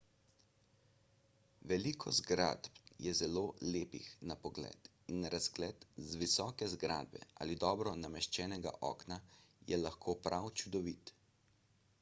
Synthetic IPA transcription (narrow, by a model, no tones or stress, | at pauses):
ʋɛlikʰɔzɡɾa̰d̪pjɛzɛloːleːpḭxnapɔɡlɛ̰ːt̪ | inɾazɡlɛt̪zʋisɔːkɛzɡɾa̰ːd̪̚bɛ̰ʔa̰ːlid̪ɔːbɾɔnamɛʃt͡ʃɛːnɛɡa̰ʔɔ̰ːknajɛlaxkʰoːpɾawt͡ʃud̪ɔʋiːt̪